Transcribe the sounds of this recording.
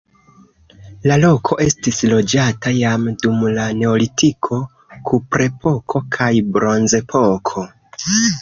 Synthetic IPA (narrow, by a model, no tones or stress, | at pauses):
lalo̞kʰo̞ʔe̞stislo̞d͡ʒatajamdumlane̞olitikʰo̞ | kʰupɾe̞pʰo̞kʰo̞kʰajbɾo̞nze̞pʰo̞kʰo̞